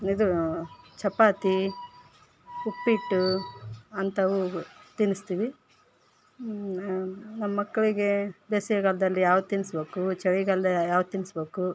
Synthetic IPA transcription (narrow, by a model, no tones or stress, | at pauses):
id̪ut͡ʃɐpaːt̪i | upːiʈːu | ɐnt̪ɐʋut̪inːist̪iːʋi | nɐmːɐmɐkːɐɭiɡe̞beːsiɐɡɐlɐd̪ɐlːijaːʋut̪inːisbeːkut͡ʃɐɭiɡɐld̪ɐjaːʋ̪t̪inisbeːku